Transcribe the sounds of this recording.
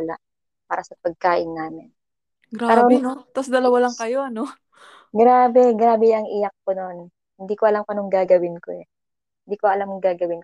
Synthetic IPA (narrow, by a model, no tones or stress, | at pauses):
la̰ʔ | paːɾɐsɐpɐɡ̚kaːʔɪnːaːmɪn | ɡɾaaɾot̪ɐsd̪ɐlɐwalɐŋkɐjoʔɐno | ɡɾaːbɛɡɾaːbɛɐŋʔɪjɐk̚ːono̞n | hɪnd̪iːkoʔɐlamkɐnoŋɡaːɡɐwɪnko̰ʔɛ | hɪnd̪iːkoɐlamʊŋɡaːɡɐwɪnk